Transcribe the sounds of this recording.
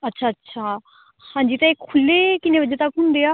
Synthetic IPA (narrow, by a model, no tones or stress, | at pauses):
ətːʃʰaːətːʃʰaː | hãːɲd͡ʒiːt̪ãekʰːʊlːeːkɪneːʋəd͡ʒet̪əkɦʊ̃nd̪eːaː